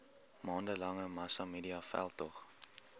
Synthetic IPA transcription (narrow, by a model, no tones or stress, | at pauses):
mɑːndəlɐŋəmɐsɑmiːdiɑfæ̰lˠtɔχ